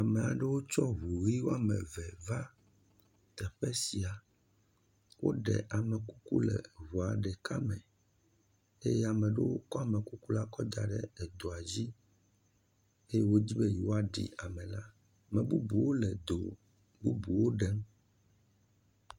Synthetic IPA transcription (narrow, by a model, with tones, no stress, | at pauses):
a˨me˨a˨ɖe˦wo˦t͡ʃɔ˦ɦu˨ɣi˦wo˦a˨mɛ̰̃˨vɛ˨va˦ | t̪ɛ˨ɸɛ˦si˨a˨ | wo̰˦ɖɛ̰˨ʔa˨mɛ˨ku˦ku˦lɛ̰˨βu˨a˨ɖɛ˨ka˦mɛ̰̃˨ | e˦jɛ˦a˨mɛ̃˨ɖe˦wo˦kɔ˦a˨mɛ˨ku˦ku˦la˦kɔ˦d̪a̰˨ɖɛ̰˦ɛ˨d̪o˨a˨d͡ʑi˦ | e˦je˦wo˦d͡ʑi˦be˦ji˨wo˦a˨ɖḭ˨a˨mɛ̃˨la˦ | mɛ̃˨bu˦bu˨wo˦le˨d̪o˨ | bu˦bu˨wo˦ɖɛ˦m